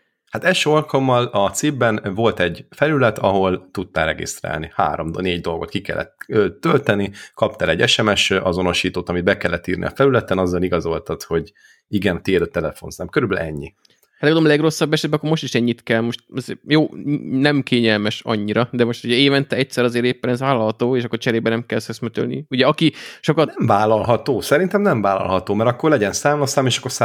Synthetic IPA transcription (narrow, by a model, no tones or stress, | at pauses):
hat̪ɛlʃøːo̞lkɒlmːɒlɒt̪sibːɛnvo̞lt̪ɛɟfɛlylɛt̪ʰɒɦo̞lt̪ut̪ːaːɾɛɡḭst̪ra̰ːlniha̰ːɾo̞md̪neːɟd̪o̞lɡo̞t̪̚kikɛ̰lːɛ̰t̪øːt̪ːølt̪ɛnikɒp̚t̪ɛlɛɟːɛʃɛmɛʃɒzo̞no̞ʃiːt̪oːt̪ɒmid̪̚bɛkɛlːɛt̪ːiːrnʔḭɒ̰fɛlylɛt̪ɛnɒzːɒliɡɒzo̞lt̪ɑt̪ho̞ɟ | iɡɛnt̪iɛd̪øt̪ːɛlɛfo̞̰nsaːmkøɾybɛlɛɲːi | lɛɡɒd̪oːmːlɛɡro̞sːɒbːɛʃɛd̪bɛɒkːomo̞ʃt̪iʃɛɲːit̪kɛlmoʃt̪ɒzeːjoːnɛmkʰeːɲɛlmɛʃɒ̰ɲːiɾɒd̪ɛmo̞ʃt̪uɟɛeːvɛnt̪ɛɛc̚sɛɾɒzeːɾeːpːɛnɛzʋaːlɒlɦɒt̪oːeːʃɒkːot͡ʃɛɾeːbɛnɛmkɛlshøsmɛt̪ø̰lnḭuɟɛɒkiʃo̞kɒɛmvaːlɒlɦɒt̪oːsɛɾint̪ɛmnɛɱvaːlɒ̰lɦɒt̪oːmɛɾɒkːo̞rlɛɟɛnsaːmɒsaːmeːʃɒkːosa